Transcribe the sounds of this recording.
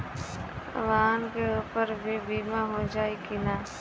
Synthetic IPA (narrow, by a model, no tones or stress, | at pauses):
ʋaːnkeuːpəɾbʱibʱiːmaɦod͡ʒaːikinaː